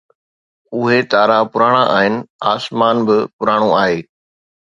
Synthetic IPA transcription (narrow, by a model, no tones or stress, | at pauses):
ʊɦet̪aːɾapʊɾaːɽ̃ãʔa̰ːɦɪnɪ̆aːsmaːnbɪpʊɾaːɽ̃õaːɦeː